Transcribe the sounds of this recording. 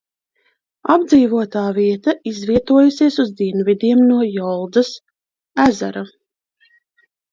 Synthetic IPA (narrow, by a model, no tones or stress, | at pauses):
abd̪ziːvuɔt̪aːviɛt̪aizviɛt̪uɔjusiɛsuzd̪iɛnvid̪iɛmnuɔjɔlˠd̪zɐs | æza̰ɾa